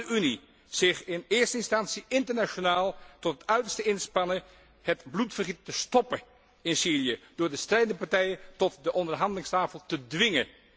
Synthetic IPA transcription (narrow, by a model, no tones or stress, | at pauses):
əyni | z̥ɪχɪnɪːɹstəɪnstɑnsiʔɪntəɹnaʃonaːlˠtɔtətœɥtəɹstəɪnspɑnə | hətblutfərχitːəstɔpə | ɪnsiːlijəd̥ʊːɹdəstrɛjdəndəpɑɹtɛjətɔtdəʔɔndəɹɦɑndəlɪŋstaːfəlˠtədʋɪŋə̰